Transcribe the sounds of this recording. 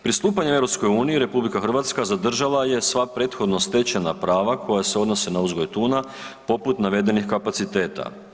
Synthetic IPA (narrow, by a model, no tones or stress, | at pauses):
pɾist̪uːpaɲee̞vɾo̞psko̞juːniiɾe̞publikaxr̩ʋat̪skazad̪r̩ʒalˠaje̞sʋapɾe̞ːt̪xo̞d̪no̞st̪e̞t͡ɕena̰pɾaːʋakʰo̞jase̞o̞d̪no̞senauzɡo̞jt̪uːna | po̞put̪naʋe̞d̪e̞nixkapat̪sit̪e̞ːt̪a̰